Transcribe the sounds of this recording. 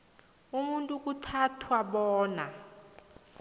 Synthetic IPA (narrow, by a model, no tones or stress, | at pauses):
umuntʼuk̬ʼutʰatʰwaɓɔːna